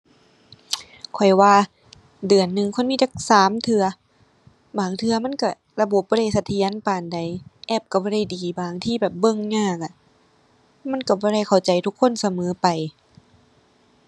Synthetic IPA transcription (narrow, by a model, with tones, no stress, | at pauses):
kʰɔ˨˩jwaː˧ | dɯ˨˩ənːɯ˨˧ŋkʰo˧˥˨nmiː˧˥˩t͡ɕa˧˩k̚saː˨˦mt̪ʰɯ˧ɐ | baː˨˩ŋt̪ʰɯ˧ɐma˧˥˨nka˧˩ | la˧bo˨˩p̚bɔː˧˥˨ɾa˧˩jsa˧t̪ʰi˧˦ə˦˨npaː˨˩nda˨˩jʔɛː˧˩p̚ka˧˩bɔː˧˩ɾa˧˩jdiː˨baː˨˩ŋt̪ʰiː˧˨bɛː˨˩p̚bɤ˧˥˨ŋɲaː˧˩˨ka˧˩ | ma˧˥˨nka˧˩bɔː˧˩ɾa˧˩jkʰa˨˩wt͡ɕa˨jt̪ʰu˧˥kʰːo˧˥˨nsa˧mɤː˨˦pa˨˩j